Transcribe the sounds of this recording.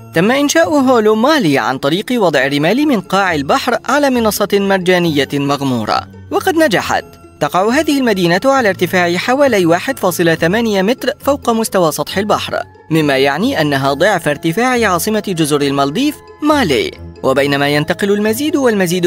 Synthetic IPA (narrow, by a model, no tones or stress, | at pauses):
t̪amːaʔɪnʃaːʔʊɦoːlomaːliːʕa̰nt̪ˤɑɾiːqɨwɑd̪ˤʕɪrːɪmaːlimɪnqɑːʕɪlbaħɾʕalaːmɪnɑsˤːɑmɑɾˤd͡ʒaːnɪjːamaɣmuːɾˤɑ̰ | wɑqɑd̪nad͡ʒaħa̰t̪ːɑqɑʕɦaːðɪhɪlmad̪iːnaʕalaːɾt̪ɪfaːʕɪħawaːlajwaːħɪd̪fɑːsˤɨlaθamaːnɪjamɪt̪ɾfawqɑmʊst̪awaːsˤɑt̪ˤħɪlbaħɾ | mɪmːaːjaʕniːʔanːaɦaːd̪ˤʊʕfaɾt̪ɪfaːʕɪʕɑːsˤɨmad͡ʒʊzʊɾɪlmɑld̪ˤiːf | maːlḭːwʔabajnamaːjant̪ɑqɪlʊlmaziːd̪walmaziːd̪